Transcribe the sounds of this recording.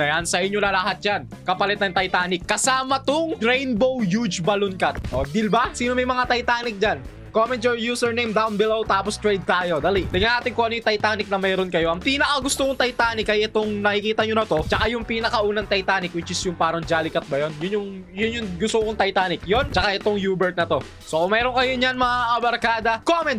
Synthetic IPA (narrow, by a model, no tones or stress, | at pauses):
nɐjansɐʔɪɲɲo̞nɐlɐɦat̪̚d͡ʒan | kɐpɐlɛt̪nɐŋt̪ɐjt̪aːnɪkːɐsaːmɐt̪ʊŋɾɛjnbowjud͡ʒbɐlʊnkɐt̪̚ʔod̪ilbasiːnomɐjmɐŋat̪ɐjt̪aːnɪk̚d͡ʒan | komɛnt̪̚joɹjuːsɛɹnejmd̪awnbɪlowt̪aːpost̪ɹɛjd̪̚t̪aːjo̞d̪alid̪ɪŋanaːt̪ɪŋkoʔɐnojt̪ɐjt̪aːnɪk̚nɐmɛːɾonkɐjo̞ʔɐŋpiːnɐkɐɡʊst̪okʊŋt̪ɐjt̪aːnɪkɐjʔɛt̪oŋnɐkɪkiːt̪ɐɲonɐt̪o̞t͡ʃɐkajʊŋpiːnɐkɐʔuːnɐŋt̪ɐjt̪aːnɪkwɪt͡ʃɪsjʊŋpaːɾɐŋd͡ʒaːlɪkɐt̪̚bɐjonjʊnjʊŋjʊnjʊŋɡʊst̪oʔʊŋt̪ɐjt̪aːnɪkjont͡ʃɐkaʔɛt̪oŋjuːbɛɹt̪̚nɐt̪o̞ | sokʊmɛːɾonkɐjoɲanmɐaʔɐbɐɾkaːd̪ɐkomɛnt̪